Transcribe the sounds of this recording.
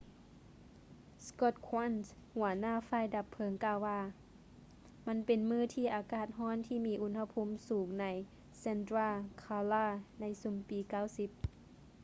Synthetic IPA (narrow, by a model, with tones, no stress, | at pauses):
skɔ˧˩t̪̚kʰwa˧˥˨nshu˩˦ɐnaː˧˥˨faː˧˨jda˧˦pʰːɤ˧˦ŋkaː˧˩˨wːaː˧˩ | ma˧˥˨npe˨nmɯː˧˩˨t̪ʰiː˧˩ʔaː˨˩kaː˧˩t̪̚ɦɔː˧˥˨nt̪ʰiː˧˨miː˧ʔu˧˥nha˧pʰo˧˥˨msuː˨˦ŋna˧˥˨j | se˧˥nd̪ɾaː˧˩kʰaː˧laː˧˩na˧˥˨jsu˧˦mpiː˨˦kaː˧˩˨wsi˧˦p̚